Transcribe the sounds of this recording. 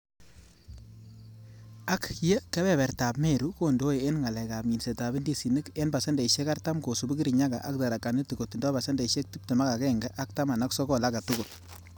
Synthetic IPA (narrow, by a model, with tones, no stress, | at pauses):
a˦kje˦kɛ˦bɛ˦˨bɛ˨ɾta˨pme˦˨ɾu˦ko˦˨ndo˦e˨e˦nŋa˨la˨ka˨bmi˨nse˨ta˨bɪ˦ndi˦si˨nɪ˦ke˦nba˨sɛ˦ndɛ˨i˨ʃe˦ka˦ɾta˦mko˨su˨bu˦ɡi˦ɾi˨ɲa˦ɡa̰˨ʔa˦k̚da˨ɾa˨kːa˨ni˦ti˨ko˨ti˨ndɔ˦ba˨sɛ˦ndɛ˨ʃe˦k̚ti˦p̚te˨ma˦ka˨kɛ˦˨ŋɡɛ˦ʔa˦k̚ta˦ma˨na˦ksɔ˦kɔ˦˨la˦ɡa˨tu˦ɡʊ˨l